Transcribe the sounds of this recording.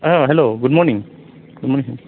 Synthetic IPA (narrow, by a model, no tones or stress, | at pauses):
aɦɛloɡʊd̚mɔɹnĩŋ | ɡʊdmɔɹnĩŋɦɛ